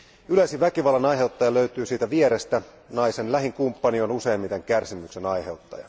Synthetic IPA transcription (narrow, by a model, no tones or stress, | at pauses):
ylæsiʋækiʋɑlːɑnɑjɦe̞wt̪ːɑjɑløyt̪yːsiːt̪æʋieɾest̪æ | nɑjse̞nlæɦiŋkumpːɑnionuse̞ːmit̪eŋkærsimykse̞nɑjhe̞wt̪ːɑ̰jɑ̰